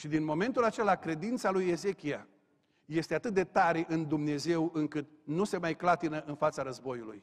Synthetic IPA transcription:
ʃid̪inmo̞me̞nt̪ulat͡ʃe̞lakɾe̞d̪int̪salujeze̞kʲia | je̞st̪e̞at̪ɨt̪̚d̪e̞t̪aɾe̞ʔɨnd̪umne̞ze̞wɨŋkɨt̪nuse̞majklat̪inəʔɨnfat̪saɾəzbo̞julṵj

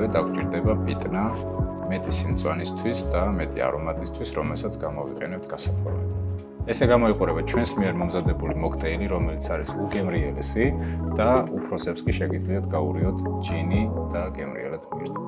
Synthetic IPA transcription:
ɛd̪akʰt͡ʃʼiɾd̪ɛbapʼit̪ʼna | mɛt̪ʼisimt̪sʼwanist̪ʰwisd̪amɛt̪ʼḭa̰ɾɔmat̪ʼist̪ʰwisɾɔmɛlˠsat̪sʰɡamɔvḭqʼɛnɛp̚t̪ʰɡ̥asak̪ʰwɛlɛ̰ | ɛsɛɡamɔiqʼuɾɛbat͡ʃʰwɛnsmiɛɾmɔmzad̪ɛbulimɔkʰt̪ʼɛːliɾɔmɛlit̪sʰaɾisuɡɛmɾiɛlɛsid̪̥aupʰɾɔsɛpskʼiʃɛɡid̪zliad̪̚ʰɡauɾiɔt̪ʰd͡ʒinid̪̥aɡɛmɾḭɛ̰lad̪mḭɾt̪ʰ

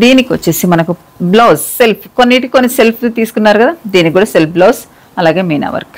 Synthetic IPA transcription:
d̪iːnikiʋot͡ʃːesimɐnɐku | bloːsselpʰkonːiːʈikikonːiselpʰːt̪iːsu̥kunːaːɾukɐd̪aːd̪iːnikuːɽaːselpʰbloːs | ɐlaːɡe̞ːmejna̰ːʋɐ̰ɾk

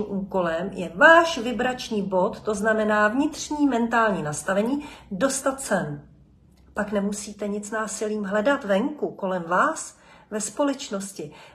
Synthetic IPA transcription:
mʔuːko̞lɛmjɛvaːʃvɪbɾat͡ʃɲiːbo̞t̪ːo̞znamɛnaːvɲɪt̪r̝̥ɲiːmɛnt̪aːlɲiːnast̪avɛɲiːdo̞st̪at̪sɛn | paknɛmusiːt̪ɛɲɪt͡snaːsɪliːmɦlɛdat̪vɛŋkuko̞lɛmvaːs | vɛspo̞lɛt͡ʃno̞scɪ

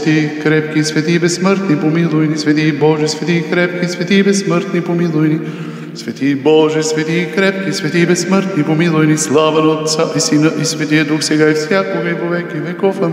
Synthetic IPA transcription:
t̪ikɾɛp̚kisvɛt̪iːbɛsːməɾt̪nipomilˠʊjnisvɛt̪ibɔʒɛsvɛt̪ikɾɛp̚kisvɛt̪ibɛsːməɾt̪nipomilˠʊjni | svɛt̪ibɔʒɛsvɛt̪ikɾɛp̚kisvɛt̪ibɛsːməɾt̪nipomilˠʊjnislˠavɐnəot̪t̪saʔisinəʔisvɛt̪iɛd̪uxsɛɡaifsʲjakoɡəipovɛkɛvɛkɔfə

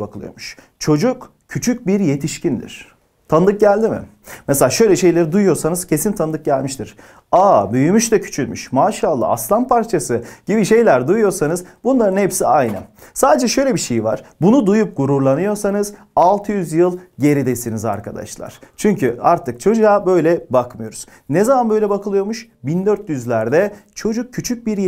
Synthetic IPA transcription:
bakʰɯlˠɯjoɾmuʃ | t͡ʃʰo̞d͡ʒuk | cʰyt͡ʃʰyc̚biɾje̞t̪ʰiʃcind̪ḭɾ̥ | t̪ʰand̪ˠɯk̚ɟælʲd̪imɪ̰ | meselʲaʃø̞jlʲɛʃe̞jlʲeɾid̪ujujo̞ɾsanɯz̥cʰe̞sint̪ʰand̪ˠɯk̚ɟælʲmiʃt̪iɾ̥ | aːbyjymyʃt̪ɛcʰy̥t͡ʃʰylmy̰ʃmaːʃalˠːa̰aslˠanpʰaɾt͡ʃʰasɯɟ̥ibiʃe̞jlʲæɾd̪ujujo̞ɾsanɯzbunlˠaɾɯnhepsiajnɯ̰saːd̪ed͡ʒɛʃø̞jlʲɛbiʃe̞jiva̰ɾ̥bunud̪ujup̚ɡ̥uɾuɾlˠanɯjo̞ɾsanɯz | alˠt̪ʰɯjyzjɯlˠɟe̞ɾid̪esiniza̰ɾkʰad̪a̰ʃlˠa̰ɾ̥t͡ʃʰyɲcʰyaɾt̪ʰɯkt͡ʃʰo̞d͡ʒujabø̞jlʲɛbakmɯjo̞ɾuz̥ | nezamanbø̞jlʲɛbakʰɯlˠɯjo̞ɾmuʃ | bind̪øɾt̪jyzlʲæɾd̪ɛt͡ʃʰo̞d͡ʒuk̚cʰːyt͡ʃʰyc̚biɾj

